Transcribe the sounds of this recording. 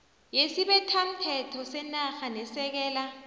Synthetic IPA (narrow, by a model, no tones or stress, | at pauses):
jesiɓɛtʰam̩tʰɛtʰɔsɛnaxanɛsɛk̬ɛːla